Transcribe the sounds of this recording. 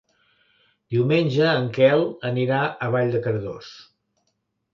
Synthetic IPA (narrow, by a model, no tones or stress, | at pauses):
d̪iwmenʲʒəːŋkɛlˠəniɾaʔəβaʎd̪əkəɾðo̰s